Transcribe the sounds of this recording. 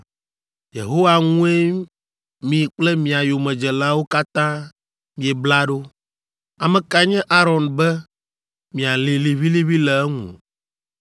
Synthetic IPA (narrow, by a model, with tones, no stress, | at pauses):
jḛ˨ɦo˦wa˨ŋũ˦e˦ | mĩ˨k͡plɛ˦mĩ˨a˨jo˨mɛ̃˨d͡ʒɛ˨la˦wo˦ka˦t̪ã˦ | mĩ˨ɛ˨bla˦ɖo˦ | a˨mɛ̃˨ka˨ɲɛ̃˦ʔa˦ɾɔ˨nbɛ˦ | mĩ˨a˨li˨li˨βi˦li˦βi˦lɛ˨ɛ˦ŋṵ̃˨